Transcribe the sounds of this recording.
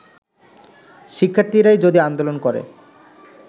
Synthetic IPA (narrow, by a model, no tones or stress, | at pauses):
ʃikʰːaɾt̪iɾajd͡ʑod̪iand̪olonkɔɾḛ